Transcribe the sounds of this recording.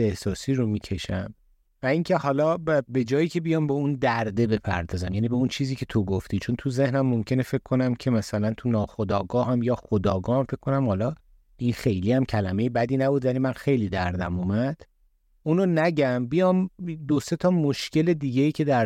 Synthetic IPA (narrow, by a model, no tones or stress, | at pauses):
ehsɒːsiːɾomiːcʰe̞ʃæ̰m | væiŋcʰe̞hɒːlɒːbe̞d͡ʒɒːjiːcʲʰe̞bijɒːmbeund̪æɾd̪e̞be̞pʰæ̰ɾd̪ɒːzæmjæːniːbeunt͡ʃʰiːziːcʰe̞t̪ʰo̞ɡoft̪ʰiːt͡ʃʰo̞nt̪ʰuze̞hnæmːomcʰe̞nefe̞kkʰːo̞næmcʰe̞mæsælænt̪ʰunɒːxod̪ɒːɡɒːɦæmjɒːxod̪ɒːɡɒːhæmfekkʰːo̞næmhɒːlɒː | ʔinxe̞jliːæmcʰælæme̞jebæd̪iːnæbud̪vælimænxe̞jliːd̪æ̰ɾd̪æ̰mumæd̪̥ | uːnonæɟæmbijɒmd̪ose̞t̪ʰɒːmoʃcʰe̞le̞d̪iːɟejiːcʰe̞d̪æɾ